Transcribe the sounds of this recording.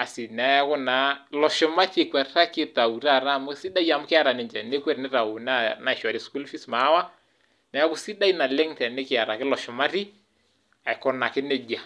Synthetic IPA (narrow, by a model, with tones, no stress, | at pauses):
a˨sɪ˨n˨a˨ja˦kɔ˦na˨˦lɔ˨ʃɔ˨ma˦te˨kwɛ˨ɾta˦kɪ˦ta˨u˨ɾa˦˨ɾa˦˨mʊ˦si˦da˦i˦a˨mʊ˦kɪ˦a˦ɾa˨nɪ˨nd͡ʒɛ˨ne˦kwɛ˦ɾnɪ˦ɾa˨o˨na˦na˨ɪ˨ʃa˨ɾi˦sku˦lfi˦sma˨˦wa˦ | na˨ja˦kʊ˦si˦da˦i˦na˨lɛ˦ŋtɛ˨nɪ˦kɪ˨a˨ɾa˨kɪ˦lɔ˨ʃɔ˨ma˦ti˦ | a˨ɪ˨kɔ˦na˨kɪ˦nɛ˦da˨